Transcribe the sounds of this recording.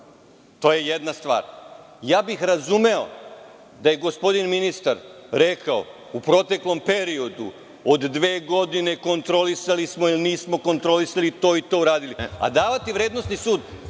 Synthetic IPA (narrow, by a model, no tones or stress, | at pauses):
t̪o̞ːje̞jed̪nast̪ʋa̰ːɾ | jaːbixɾazume̞o̞̰ | d̪aje̞ɡo̞spo̞d̪inminist̪aɾɾekʰao̞̰ | upɾo̞t̪e̞klo̞mpe̞ɾio̞d̪ṵ | od̪ːʋe̞ːɡo̞d̪ine̞ko̞nt̪ɾo̞lisalismo̞ilniːsmo̞ko̞nt̪ɾo̞lisalit̪o̞ːit̪o̞ːuɾaːd̪ilia̰d̪aːʋat̪iʋɾe̞ːd̪nost̪nisuːd̪